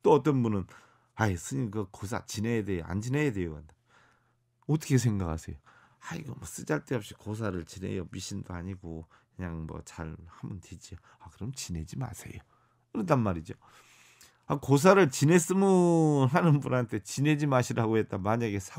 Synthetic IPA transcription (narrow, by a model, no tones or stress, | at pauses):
t͈oʌt͈ʌnbunɯn | ajsʰɯɲinkɯkos̬ʰa̰t͡ɕinejadea̰nd͡ʑinejade̞joɡanda | ʌt͈ʰʌ̥kʰesʰe̞ŋɡakʰasʰe̞̰jo | aḭɡʌmʌs͈ɯd͡ʑaɭt͈eʌp̚ɕ͈i̥kos̬ʰaɾɯɭt͡ɕine̞̰jomiɕʰindoaɲiɡokɯɲaŋmʌ̰t͡ɕaɾhamʌnted͡ʑio | akɯɾʌmt͡ɕine̞d͡ʑima̰sʰe̞̰jo | kɯɾʌtʰanmaɾid͡ʑo | akos̬ʰaɾɯɭt͡ɕine̞s͈ɯmɯɦanɯnbunɦantʰe̞t͡ɕine̞d͡ʑimaɕʰiɾaɡoɦe̞t̚t͈amaɲaɡe̞sʰa